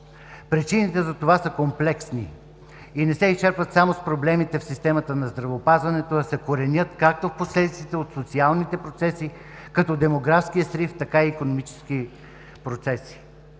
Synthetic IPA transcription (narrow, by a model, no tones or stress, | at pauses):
pɾɛt͡ʃinit̪ɛzɐt̪ovasəkomplɛksni | inɛsɛist͡ʃɛɾpvət̪samospɾoblɛmit̪ɛfsist̪ɛmət̪ənɐzd̪ɾɐvɛopazvɐnɛt̪oɐsɛkoɾɛnʲɤt̪kak̚t̪ofposlɛd̪ʲit̪sit̪ɛot̪sot̪sialˠnit̪ɛpɾot̪sɛsi | kɐt̪ɔd̪ɛmoɡɾafsk̟ijəsɾift̪ɐkaiːkonomit͡ʃɛ̥ski | pɾot̪sɛsi̥